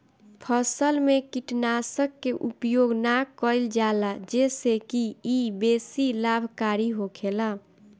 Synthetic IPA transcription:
pʰəsəlmekiʈnasəkːeʔupjoɡnakəɪld͡ʒalad͡ʒesekiːbesilabʱkaɾiɦokʰela

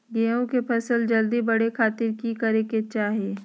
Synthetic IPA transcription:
ɡeːõkepʰɐsəld͡ʒɐld̪ibɐɽekʰaːt̪ɪɾkikɐɾeket͡ʃaːɦieː

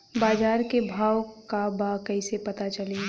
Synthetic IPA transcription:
baːd͡ʒaːɾkebʱaːwkabakɐisepɐt̪at͡ʃɐli

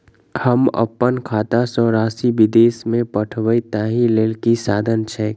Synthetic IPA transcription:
həmə̰pːənkʰaːt̪asɔːɾaːsiʋɪd̪eːsmẽpəʈʰʋəit̪aːɦileːlkisaːd̪ʱənt͡ʃʰɛ

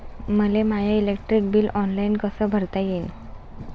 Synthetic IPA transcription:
məlemajailek̚ʈɾik̚biːlɔnlainkəsəːbʱəɾt̪ajen

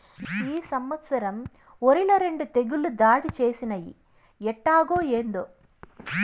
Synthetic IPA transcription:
iːsɐmʋɐt̪sɐɾɐm | oɾilɐɾe̞ɳɖut̪eɡulud̪aːɽit͡ʃe̞ːsinɐjḭ | ɛʈːaːɡoːeːnd̪o

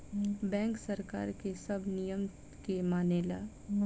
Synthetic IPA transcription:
bɛ̃ːŋksɐɾka̰ːɾkesɐbʱnijəm | kemaːneːla̰ː

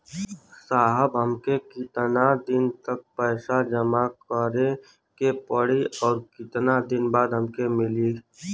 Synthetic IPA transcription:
saːɦəbɦəmkekɪt̪nad̪ɪnt̪ək̚pɛːsad͡ʒəmakəɾe | kepəɽiɔːɾkɪt̪nad̪ɪnbaːd̪ɦəmkemɪliː

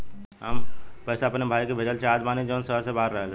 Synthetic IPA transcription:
ɦə̰mpɛːsaɐpnebʱaːjkebʱed͡ʒəlt͡ʃʰeaːd͡ʒbaːnĩd͡ʒoːnsəɦɾsebaːəɾːəɦeɡa

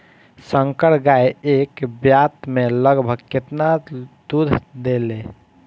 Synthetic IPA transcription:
səŋkəɽɡaeekbjat̪meləɡbʱəɡket̪nad̪ud̪ʱd̪ele

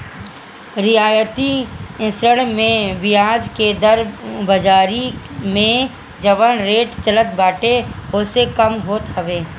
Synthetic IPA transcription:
ɾɪjaːjət̪iɪ̃səɽ̃mẽʋɪjaːd͡ʒked̪əɾbəd͡ʒaːɾimẽ | d͡ʒəʋənɾeːʈt͡ʃələt̪̚baːʈeʊsekəmɦoːt̪ɦəʋeː

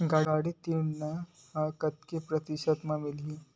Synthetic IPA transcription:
ɡaaɽit̪innə | kɐt̪̚kepɾɐt̪iɕət̪mamilɦi

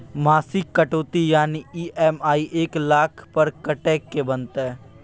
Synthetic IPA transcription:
maːsɪkːɐʈoːt̪ijaːniiːʔɛmaːiʔeːklaːkʰpɐɾkɐʈɛːkːebə̃nt̪ɛː

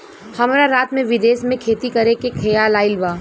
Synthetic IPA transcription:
hɐmɾaɾaːt̪mẽʋɪd̪eːsmẽkʰeːt̪ikɐɾẽkekʰejaːlaːɪlbaː

